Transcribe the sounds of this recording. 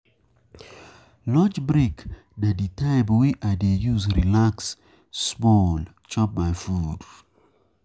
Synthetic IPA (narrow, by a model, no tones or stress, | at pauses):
lɔd͡ʒbɹik | daditʰaɪbwiaɪdejuzɹilaksː | mɔl | t͡ʃɔp̚majfud